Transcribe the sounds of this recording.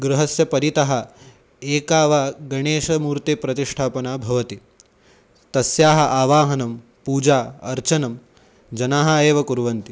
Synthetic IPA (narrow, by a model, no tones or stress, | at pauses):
ɡɾuɦɐsjɐpɐɾit̪ɐɦɐ | eːkaːʋaːɡɐɳeːʃɐmuːɾt̪eːpɾɐt̪iʂʈʰaːpɐnaːbʱɐʋɐt̪i | t̪ɐsjaːɦɐʔaːʋaːɦɐnɐm | puːd͡ʒaːɐɾt͡ʃɐnɐm | d͡ʒɐnaːɦɐeːʋɐkuɾʋɐnt̪i